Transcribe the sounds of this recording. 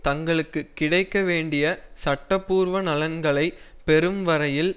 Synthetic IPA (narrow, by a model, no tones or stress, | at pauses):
t̪ɐŋɡɐɭɯkːɯkːɪɽɐɪkːɐʋeːɳɖɪjɐsɐʈːɐpːuːɾʋɐnɐlɐnɡɐɭɐɪ | pɛɾɯmʋɐɾɐjɪl